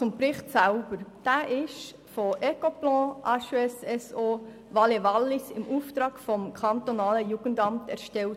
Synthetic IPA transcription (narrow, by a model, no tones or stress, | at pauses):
t͡sʊmpɾɪχtsælb̥əɾd̥æːʔɪʃ | foʔɛkoplɔ̃ːʔɑʃɛsɛsoː | ʋɑleʋɑlːɪsɪ̰mʔuːft̪ɾɑːɡ̥fɔmkʰɑnt̪onɑːləjuːɡ̥əndɑmtæ̰ɾʃtɛlt